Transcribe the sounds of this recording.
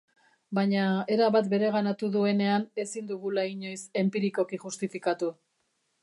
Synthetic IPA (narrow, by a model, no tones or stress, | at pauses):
baɲae̞ɾaβat̪be̞ɾe̞ɣanat̪uðue̞ne̞ane̞sind̪uɣulaiɲo̞jse̞mpiɾiko̞kiʝust̪ifikat̪u